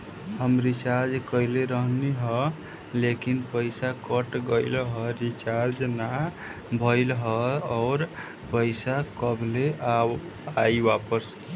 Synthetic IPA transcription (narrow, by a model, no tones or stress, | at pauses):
həmɾit͡ʃaɾd͡ʒkəileɾəɦniɦʌ | lekinpəjsakəʈɡəɪlɦʌɾit͡ʃaɾd͡ʒna | bʱəɪlɦʌːɾ | pəjsakəbʱlea | ajbapəs